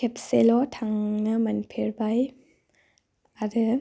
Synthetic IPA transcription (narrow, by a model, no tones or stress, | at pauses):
kʰep̚selɔtʰaŋnɐmɐnpʰeɾbaj | aɾɯ